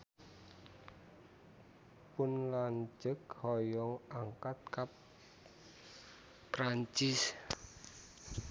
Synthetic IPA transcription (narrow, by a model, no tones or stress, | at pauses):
pʊnlaɲd͡ʒəkhɔjɔŋaŋkat̪̚kap | ɾaɲt͡ʃɪs